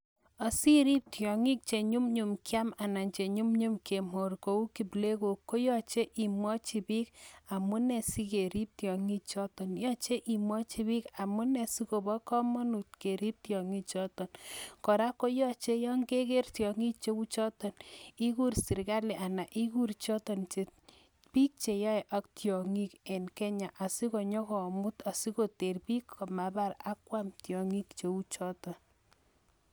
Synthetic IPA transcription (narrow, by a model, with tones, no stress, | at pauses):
a˨si˦ɾi˦p̚tjɔ˨ŋi˦k̚t͡ʃe˨ɲu˦mɲu˨mkja˦ma˨na˨nt͡ʃe˨ɲu˦mɲu˦mkʰe˨mo˨rko˨˦u˦ki˨ble˦ko˨ko˦jɔ˦t͡ʃe˦ʔi˨mwɔ˦t͡ʃi˨bi˦ka˨mu˦nɛ˨si˦ke˨ɾi˦p̚tjɔ˨ŋi˦t͡ʃɔ˦tɔ˨njɔ˦t͡ʃe˦ʔi˨mwɔ˦t͡ʃi˨βi˦ka˨mu˦nɛ˨si˦ko˨bɔ˦kɔ˦mɔ˦nu˨t̚ke˨ɾi˦p̚tjɔ˨ŋi˦t͡ʃɔ˦tɔ˨nkɔ˨ɾa˦ko˦jɔ˦t͡ʃe˦jɔ˦ŋɡe˦ke˦rtjɔ˨ŋi˦k̚t͡ʃe˦u˦t͡ʃɔ˦tɔ˨ni˦ku˦ɾsi˨ɾka˦le˨ʔa˨na˨ʔi˦ku˦ɾt͡ʃɔ˦tɔ˨nt͡ʃe˨ | pi˦k̚t͡ʃe˨ja˦ɛ˨ʔa˦ktjɔ˨ŋi˦kɛ˨nkɛ˦ɲa˨ʔa˨si˦ko˨ɲɔ˦kɔ˨mʊ˦ta˨si˦ko˨te˨rpi˦kʰːɔ˨ma˨ba˦ɾa˦kwa˦mtjɔ˨ŋi˦kt͡ʃe˨u˦t͡ʃɔ˦tɔ˨n